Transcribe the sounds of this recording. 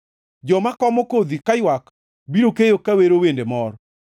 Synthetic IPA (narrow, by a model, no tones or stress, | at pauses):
d͡ʒɔmakɔmɔkod̪ikajwak | biɾokejokaweɾowendemɔɾɔ